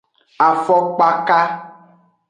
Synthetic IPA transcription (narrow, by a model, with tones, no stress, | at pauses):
a˨fɔ˦k͡pa˦ka˦